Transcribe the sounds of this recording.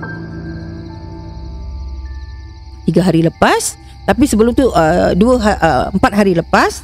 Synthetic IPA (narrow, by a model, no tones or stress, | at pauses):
t̪iɡaɦaɾiləpas | t̪apisəbəlʊmt̪uʔəduəɦaʔəəmpat̪̚ɦaɾiləpas